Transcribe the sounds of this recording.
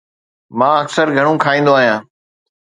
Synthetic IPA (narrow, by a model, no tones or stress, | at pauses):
mãːəksəɾɡʱəɽ̃ũːkʰaːĩːn̆d̪oaːɦijãː